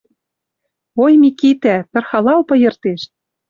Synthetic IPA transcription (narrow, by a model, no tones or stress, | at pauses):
ojmikit̪æpɘ̆rxɑlɑwpɤ̆jɤ̆rt̪eʃ